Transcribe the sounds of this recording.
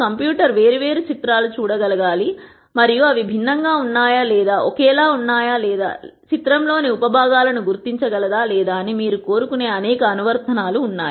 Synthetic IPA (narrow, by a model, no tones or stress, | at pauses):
kɐmpjuːʈɐɾʋe̞ːɾiʋe̞ːɾut͡ʃit̪ɾaːlut͡ʃuːɽɐɡɐlɐɡaːli | mɐɾijuɐʋibʱinːɐŋɡaːunːaːjalɛːd̪aːʔɔkɛːlaːunːaːjaːlɛːd̪a̰ːt͡ʃit̪ɾɐmlo̞ːniupɐbʱaːɡaːlɐnuɡuɾt̪iɲt͡ʃɐɡɐlɐd̪aːlɛːd̪aːnimiːɾuko̞ːɾukune̞ːɐnɛːkɐːnuʋɐɾt̪ʰɐnaːluːnːaːj